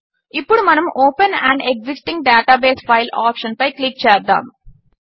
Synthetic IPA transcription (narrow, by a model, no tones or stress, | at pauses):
ipːɔɽumɐnɐmoːpɐnæ̰̃ɳɖeksɪsʈĩŋɡ̚ɖaːʈaːbeːsfaɪlaːpʃɐnbɐɪklik̚t͡ʃeːɐɾd̪a̰ːm